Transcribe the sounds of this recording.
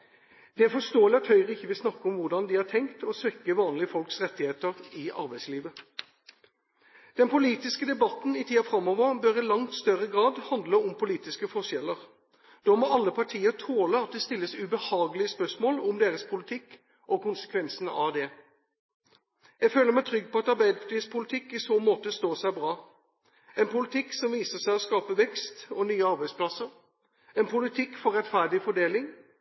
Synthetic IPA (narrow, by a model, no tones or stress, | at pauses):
d̪̥ɛæɾfɔʂt̪oːəlɪɑt̪hœʏʁəɪçːəʋɪlsnɑkːəɔmʋʊɖɑnd̪ɪhɑːʈʰɛŋkt̪ɔsʋɛkːəʋɑːnlɪəfɔlksʁɛt̪ːɪheːt̪əɾɪʔɑ̰ɾbæɪsliːʋə | d̪̥ɛnpʊliːt̪ɪskəd̪ɛbɑt̪n̩ɪt̪ʰiːɑfɾɑmːɔʋəɾbøɾɪlɑŋt̪st̪œʁəɡʁɑːd̪hɑnd̪ləʊmpʰʊliːt̪ɪskəfɔʂɛlːəʁ | d̪̥ɔmɔɑlːəpʰɑʈʰiːət̪ʰoːləɑt̪̚d̪ɛst̪ɪlːəsʉbəhɑːɡəlɪəspœʂmoːlʊmd̪eːʁəspʰʊlɪt̪ʰɪkː | ʔɔkʊnsə̥kʰʋɛnsn̩ɑd̪ɛ | jæɡføːləɾmæɪt̪ʰɾʏɡːpɔɑt̪ɑɾbæɪd̪iːspʰʊlɪt̪ʰɪkːɪsoːmoːt̪əst̪oːsæɪbɾɑː | ɛnpʊlɪt̪ʰɪkːsɔmʋiːsəʂæɪɔskɑːpəʋɛkst̪ɔnyːəɑɾbæɪspʰlɑsəɾ | ɛnpʰʊlɪt̪ʰɪkːfɔɾɛt̪fæɖɪfɔɖeːlɪŋ